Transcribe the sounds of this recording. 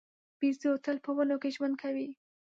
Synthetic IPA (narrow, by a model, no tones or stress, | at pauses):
b̥iziot̪əlpəwənokeʒwand̪̚kʰawi